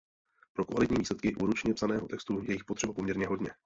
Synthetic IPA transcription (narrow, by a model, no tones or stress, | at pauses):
pɾo̞kva̰lɪt̪ɲiːviːslɛt̪̚kɪʔuːɾut͡ʃɲɛpsanɛːɦo̞t̪ɛkst̪ujɛjɪxpot̪r̥ɛbapo̞mɲɛɾɲɛɦo̞dɲɛ